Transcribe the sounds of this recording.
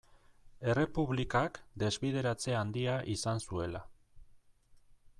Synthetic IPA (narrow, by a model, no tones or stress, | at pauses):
e̞re̞puβlikakd̪e̞zβiðe̞ɾat͡se̞and̪iaʔisansue̞la